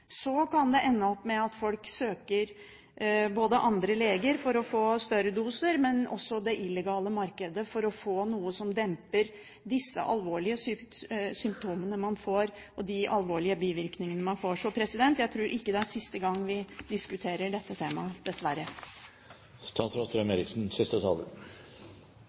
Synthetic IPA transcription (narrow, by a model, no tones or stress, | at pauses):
sɔkʰɑnd̪ɛʔɛnːəɔpːmɛɑt̪fɔlksøːkəɾ | boːd̪əʔɑnd̪ɾəleːɡəɾfɔɾɔfoːst̪œɾəd̪uːsəɾmɛnʔɔ̰sːɔd̪ɛʔɪlɛɡɑːləmɑɾkəd̪əfɔɾɔfoːnuːəsɔmd̪ɛmpəɾ | d̪ɪsːə̰ʔɑ̰lʋoːɭɪəsʏsʏmp̚t̪ʰuːmənəmɑnfoːɾ | ɔd̪ɪʔɑlʋoːɭɪəbiːʋɪɾknɪŋənəmɑnfoːʂɔpʰɾɛsɪd̪ɛnt̪jæɪt̪ʰɾʉːɾʔɪkːəd̪ɛæɾsɪst̪əɡɑŋːʋɪd̪ɪskʉt̪ʰeːɾəɖɛt̪ːət̪ʰeːmɑd̪̥ɛsʋæɾə | st̪ʰɑnsɾɔt̪ɾɛmeːɾɪksn̩sɪst̪ət̪ʰɑ̰ːlə̰